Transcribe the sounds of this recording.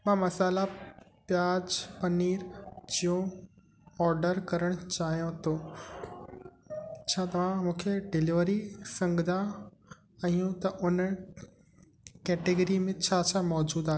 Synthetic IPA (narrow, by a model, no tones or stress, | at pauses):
mãːmɐsaːlapjaːd͡ʑpɐniːɾd͡ʑijõ | ɔːɾɖəɾkɐɾəɽ̃ʊt͡ɕaːɦijõt̪ʰoː | t͡ɕʰaːt̪ɐʋ̤ãmũːkʰeɖɪliʋəɾisɐ̃ŋɡʱd̪a | ɐ̃ijũt̪ɐʔʊnə | kɛːʈeɡəɾimẽt͡ɕʰaːt͡ɕʰamɔːd͡ʑuːd̪aːɦe